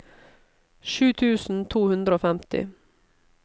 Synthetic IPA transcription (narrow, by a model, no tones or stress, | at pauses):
ʃʉːt̪ʰʉːsn̩t̪ʰuːhʉnd̪ɾəoːfɛmt̪ɪ̰